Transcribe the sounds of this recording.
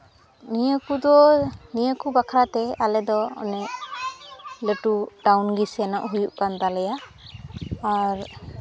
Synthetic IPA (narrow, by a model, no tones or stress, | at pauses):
nijakud̪ɔnijakubakʰaɾat̪ɛalɛd̪ɔɔ̰nɛʔ | ləʈudawnɡisɛnɔʔɦujuʔkant̪alɛjaː | ɹ